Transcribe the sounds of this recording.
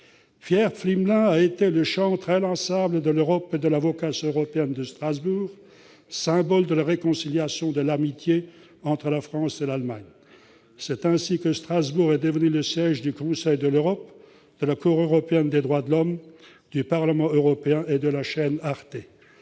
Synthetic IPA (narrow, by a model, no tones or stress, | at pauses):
fjɛʁflimlɛ̃aet̪eləʃɑ̃t̪χɛlɑ̃sabləd̪əløʁɔped̪əlavɔkasøʁɔpeɛnd̪əst̪χazbuːʁ | sɛ̃bɔld̪əlaʁekɔ̃siljasjɔ̃d̪əlamit̪je | ɑ̃t̪χəlafχɑ̃selalmaɲ | sɛt̪ɛ̃sikəst̪χazbuʁɛd̪əvənyləsjɛʒd̪ykɔ̃sɛjd̪əløʁɔp | d̪̥əlakuʁøʁɔpeɛnd̪ed̪ʁwad̪əlɔm | d̪̥ypaʁləmɑ̃øʁɔpeɛ̃ʔed̪əlaʃɛnaʁt̪e